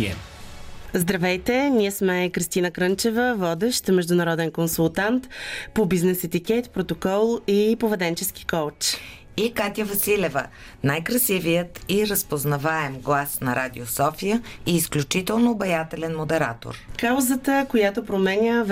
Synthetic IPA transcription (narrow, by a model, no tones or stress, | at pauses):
zd̪ɾɐvɛjt̪ɛniɛsmɛkɾist̪inəkɾɤnt͡ʃɛvəvɔd̪ɛʃt̪mɛʒd̪ʊnɐɾɔd̪ɛnkonsulˠt̪ant̪pobiznɛsɛt̪ikɛt̪pɾot̪okɔlˠipovɛd̪ɛnt͡ʃɛski̥kowt͡ʃ | ikat̪ʲəvɐsilɛvə̰ | najkɾɐsivijət̪iɾəspoznɐvaɛmɡlˠasnɐɾad̪iosɔfijəiːsklʲut͡ʃit̪ɛlˠnobɐjat̪ɛlɛnmod̪ɛɾa̰t̪o̰ɾkawzət̪əkojat̪opɾomɛnʲəv